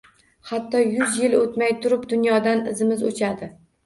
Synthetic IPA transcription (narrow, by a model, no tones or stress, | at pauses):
hat̪ʰːɒjʊzjɪlot̪majt̪ʰʊɾɪpd̪ʊnjɒd̪anɪzɪmɪzo̰t͡ʃʰad̪ɪ